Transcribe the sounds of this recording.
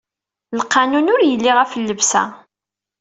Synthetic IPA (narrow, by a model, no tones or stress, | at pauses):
lqːɑnunʊɾjəlːɪʁæfəlːəvsæ̰